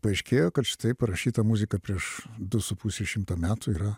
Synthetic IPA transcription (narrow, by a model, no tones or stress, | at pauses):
pɐɪʃʲkʲeːjoːkɐt̪ʃʲɪ̥t̪ɐɪpɐɾɐʃʲiːt̪ɐmuzʲɪkɐpʲɾʲiɛʃd̪ʊsʊpuːsʲeʃʲɪmt̪ɐmʲæːt̪uiːɾɐ